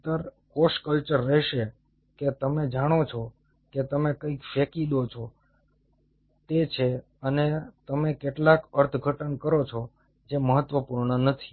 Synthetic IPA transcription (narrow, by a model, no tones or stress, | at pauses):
t̪əɾkoʃkəlt͡ʃəɾːɛɦʃe | ket̪əmed͡ʒaɽ̃ot͡ʃʰɔ | ket̪əmekəikfekid̪ot͡ʃʰɔ | t̪et͡ʃʰe | ənet̪əmekeʈlakəɾt̪ʰɡʱəʈənkəɾot͡ʃʰɔ | d͡ʒeməɦət̪ʋəpuɾɳənət̪ʰi̥